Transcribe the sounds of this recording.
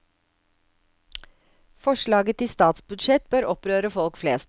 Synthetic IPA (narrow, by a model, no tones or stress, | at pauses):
fɔʃɭɑːɡət̪iːst̪ɑːt̪sbʉd̪ʃɛt̪̚bøːɾɔpɾøːɾəfɔlkfleːst̪